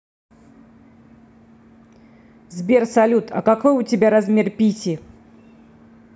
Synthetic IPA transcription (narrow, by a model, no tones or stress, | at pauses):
zbʲɛrsalʲut̪ʰɐ̰kakɔjʊtʲɪbʲaɾazmʲerpʲitʲi